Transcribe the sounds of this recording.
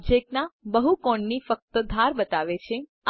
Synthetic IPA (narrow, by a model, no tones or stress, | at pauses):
d͡ʒek̚nabəɦukɔ̃ɳnifək̚t̪əd̪ʱaɾbət̪aʋet͡ʃʰe